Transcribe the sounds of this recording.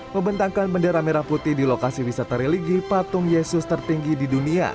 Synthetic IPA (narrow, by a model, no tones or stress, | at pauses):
məmbənt̪aŋkanbəndeɾameɾaput̪idilokasiwisat̪aɾɛliɡipat̪ʊŋjesʊst̪ərt̪iŋɡididunia̰